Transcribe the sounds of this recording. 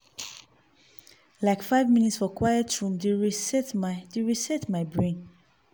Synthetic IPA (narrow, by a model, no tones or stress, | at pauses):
laɪkfaɪvmĩnitsfɔkʰwajətɹũmdeɹisɛtmadeɹisɛtmaɪbɹẽn